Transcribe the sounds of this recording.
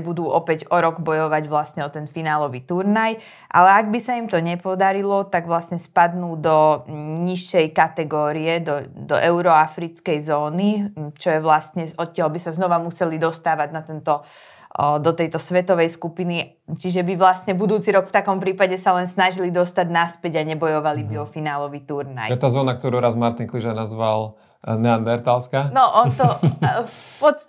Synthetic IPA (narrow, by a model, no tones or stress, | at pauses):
bud̪uːʔɔpɛɟɔɾɔɡbɔjɔʋaɟʋlasɲɛɔt̪ɛnfinaːlɔʋit̪uɾnaj | ʔa̰lɛaɡbisaimt̪ɔɲɛpɔd̪aɾilɔt̪aɡʋlasɲɛspad̪nuːd̪ɔɲiʃːɛjkat̪ɛɡɔːɾiɛd̪ɔd̪ɔ̰ʔɛʊɾɔafɾit͡skɛjzɔːnit͡ʃɔjɛʋlast̪ɲɛɔt̪̚ːɪaɦbisaznɔʋamusɛlid̪ɔst̪aːʋaɟnat̪ɛnt̪ɔ | d̪ɔt̪ɛjt̪ɔsʋɛt̪ɔʋɛjskupini | t͡ʃiʒɛbiʋlast̪ɲɛbud̪uːt͡siɾɔkft̪akɔmpɾiːpaɟɛsalɛnsnaʒilid̪ɔst̪aɟnaspɛɟaɲɛbɔjɔʋalibiɔfinaːlɔʋit̪uɾna̰jɛt̪aːzɔːnak̚t̪ɔɾuɾazmaɾt̪inkliʒaɾnazʋal | nɛand̪ɛɾt̪alskanɔʔɔnt̪ɔ | pɔt͡s